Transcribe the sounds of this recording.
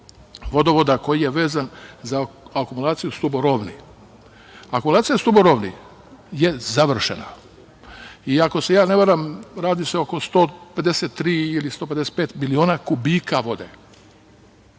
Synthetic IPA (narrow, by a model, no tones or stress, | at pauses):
ʋo̞d̪oʋod̪ako̞jijeʋe̞ːzanzaakumulˠaːt̪sijust̪uboɾoʋnḭ | akumulaːt̪sijast̪uboɾoʋnḭ | jezaʋr̩ʃḛna̰ | iako̞se̞jaːneʋaɾamɾaːd̪iseoko̞st̪o̞ːped̪eset̪ːɾiːilist̪ope̞d̪ese̥t̪̚peːt̪milio̞ːnakubikaʋo̞d̪ḛ